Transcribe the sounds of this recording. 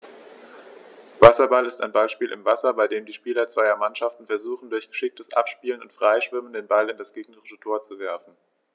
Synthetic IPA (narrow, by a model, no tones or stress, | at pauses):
vasɐbalɪstaɪnbalʃpiːlʔɪ̰mvasɐbaɪdeːmdiːʃpiːlɐt͡sv̥aɪɐmanʃaftn̩fɛɐzuːχn̩dʊɐçɡ̥əʃɪk̚təsʔa̰pʃpiːlənʊ̰ntfʁ̥aɪʃv̥ɪməndeːnbalɪndasɡ̥eːɡnəʁɪʃətʰoːɐt͡suvɛɐfn̩